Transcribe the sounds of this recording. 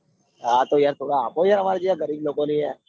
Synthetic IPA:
ɦat̪ojaɾt̪ʰoːɽaaːpojaɾəmaɾad͡ʒijaɡəɾiːblokonĩːɦɛ

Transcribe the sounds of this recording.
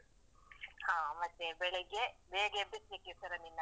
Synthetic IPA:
hãːmɐt̪ːebɛɭɛɡebeːɡebesekːet̪ɐɾɐninːɐ

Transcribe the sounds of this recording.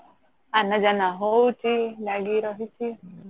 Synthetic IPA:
anad͡ʒanaɦoutilaɡiɾɔɦiti

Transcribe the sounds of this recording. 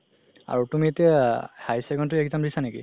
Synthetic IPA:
a̰ɹutumitɛhajsɛɡɔnt̬ʊɛkzɔmɹisanekḭ

